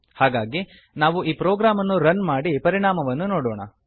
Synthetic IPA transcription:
haːɡaːɡi | naːʋuʔiːpɾoːɡɾaːmɐnːuɾɐnmaːɽipɐɾiɳaːmɐʋɐnːunoːɽoːɳɐ̰

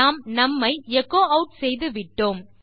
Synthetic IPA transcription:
aːmnɐmːɐɪɛkːoːɐʊʈ̚sɛjðɯʋɪʈːoːm

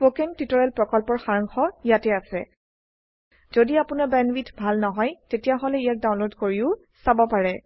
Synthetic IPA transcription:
pokentitɔɹɛlpɹɔkɔlpɔɹxaɹɔŋxɔijatɛasɛ̰ | z̥odiapʊnabɛnwitʰbʱalnɔɦɔjtetijaɦɔlɛijak̚dawnlodkoɹiʊ | sabɔpaɹɛ

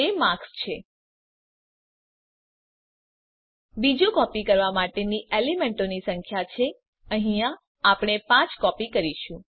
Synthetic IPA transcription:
emãkst͡ʃʰe | bid͡ʒũkɔpikəɾʋamaʈeniʔelimeɳʈonisəŋkʰjat͡ʃʰe | əɦĩjã | apɳ̃epãt͡ʃkɔpikəɾiʃũ

